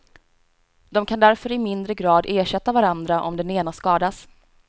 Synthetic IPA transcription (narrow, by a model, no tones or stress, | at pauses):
d̪ɔmkʰand̪æɾfœɾɪmɪnd̪ɾəɡɾɑːd̪eːʂɛt̪ːavaɾand̪ɾaʔɔmd̪ɛneːnaskɑːd̪as